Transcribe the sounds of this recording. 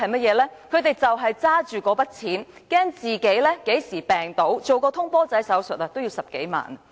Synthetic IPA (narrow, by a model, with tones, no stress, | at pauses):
ɐ˨jmɐ˥t̚jɛː˨˧lɛː˥kʰɵ˨˧ɥt̪e˨˩jt͡sɐ˨wɦɐ˨jt͡saː˥t͡ʃyː˨˩kɔː˨˧pɐ˥t̚t͡sʰiː˨˥n | kɛː˥ŋt͡siː˨ke˨˥jlɛː˥ke˨˥jsiː˨˩pɛː˨˩ŋt̪o˨˥wt͡so˨wkɔː˧t̪ʰʊ˥ŋpɔː˥t͡sɐ˨˥jsɐ˨˥wsɵ˨t̚aː˧˩t̪o˥wjiː˧wsɐ˨p̚ke˨˥jma̰ː˨˩n